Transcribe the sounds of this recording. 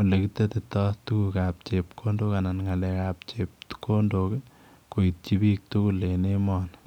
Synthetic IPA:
olekit̪et̪etɔst̪ukukap̚t͡ʃep̚kʰondokananŋalɛkap̚t͡ʃep̚tkʰondok | koit̚t͡ʃibik̚t̪ukulenemɔːn

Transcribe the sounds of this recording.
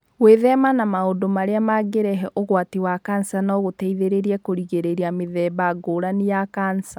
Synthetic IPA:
weðɛmanamaodomaɾeamaɡeɾɛɦɛʔoɣwatewakansanaoɣotɛiðeɾeɾiɛkoɾiɣeɾeɾiameðɛbaɡoːɾanijakansa

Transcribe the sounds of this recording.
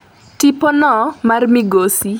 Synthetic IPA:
tipɔnɔmarmiɡosi

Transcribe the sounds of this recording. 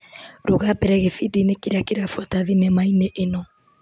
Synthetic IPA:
ɾoɣapɛɾɛɣefidinekiɾakeɾafwataðinɛmaineʔenɔ

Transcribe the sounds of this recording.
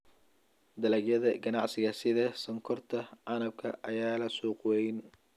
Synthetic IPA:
d̪ɐlɐɡjɐðɐɡɐnɑʕsɪɣɐsɪðɐsɐŋkʰɔrt̪ʰɐʕɑnɐb̚kʰɐʔɐjaːlɐsuːqwɛjn

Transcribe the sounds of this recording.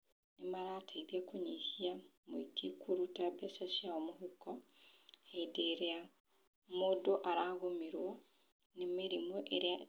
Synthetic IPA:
nemaɾaːtʰaiðiakoɲehia | moikikuɾutabɛsaʃiaomoɦukɔ | aideɾea | modoʔaɾaɣomiɾwɔ | nemeɾimoʔeɾea

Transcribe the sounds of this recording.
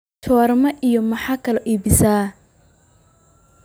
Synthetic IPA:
t͡ʃʰɔːrmɐʔijɔmɐħɑːkʰɐlɛʔiːbɪsaː

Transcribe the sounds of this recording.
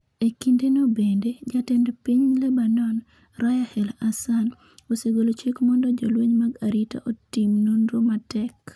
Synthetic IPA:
ekindenobended͡ʒatɛndpiɲlebanɔn | ɾajahɛlasan | oseɡolot͡ʃekmɔndɔd͡ʒɔlweɲmaɡaɾita̰ʔotimnonɾomatɛk

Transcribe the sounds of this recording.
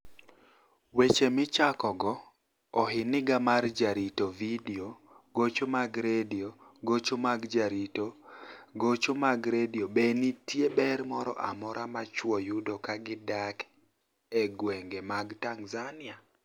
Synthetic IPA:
wet͡ʃemɪt͡ʃakɔɡɔː | ɦɪnɪɡamard͡ʒaɾitovideo | ɡot͡ʃomaɡɾedioɡot͡ʃomaɡd͡ʒaɾitoɡot͡ʃomaɡɾediobenitjebɛɾmɔɾɔ̰ʔamɔɾʔamat͡ʃwɔjʊdokaɡɪdak | ɛɡwɛŋɡemaɡtaŋzanɪa

